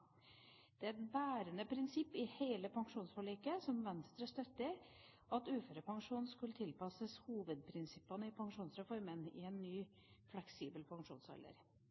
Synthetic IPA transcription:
d̪̥ɛæɾɛt̪bæːɾənəpʰɾɪnsɪpːɪheːləpʰɑŋʂuːnsfɔɭiːkəsɔmʋɛnst̪ɾəst̪œt̪ːɪ | ʔɑt̪ʉːfɾəpɑŋʂuːnn̩skʉlːət̪ʰɪlpɑsəshuːʋəd̪̚pʰɾɪnsɪpːənəɪpʰɑŋʂuːnsɾɛfɔɾmənɪ̰ɛnːyː | flɛksiːbəlpʰɑŋʂṵːnsɑ̰lːə̰ɾ

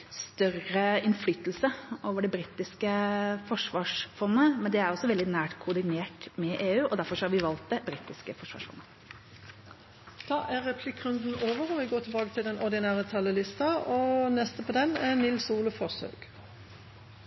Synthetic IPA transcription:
st̪œrəɪnflyːt̪lsəʔoːʋəɖɛbɾiːt̪ɪskəfɔʂʋɑːʂfɔnːəmɛnd̪ɛæɾɔsːɔʋɛld̪ɪnæːʈkʰʊɖ̪ɪneːʈmɛʔeːʉːʔɔd̪æɾfɔɾʂɔhɑɾʋɪʋɑlt̪̚d̪ɛbɾiːt̪ɪskəfɔʂʋɑ̰ːʂfɔ̰nːə | t̪ʰɑːʔæʁɛpʰlɪkːʁʉnd̪n̩oːʋəʁɔʋɪɡoːt̪ʰɪlbɑːɡət̪ʰɪld̪ɛnʔɔʁd̪ɪnæːʁət̪ʰɑlːəlɪst̪ɑɔnɛst̪əpʰɔd̪ɛnɛnɪlsuːləfɔʁsø̰ːɡ̥

